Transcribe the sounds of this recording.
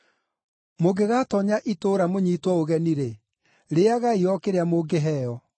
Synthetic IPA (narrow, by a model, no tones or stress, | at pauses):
moɡeɣaːtɔɲaʔitoːɾamoɲiːtwɔoɣɛniɾe | ɾeaɣaiɔkeɾeamoːɡeɦɛːjɔ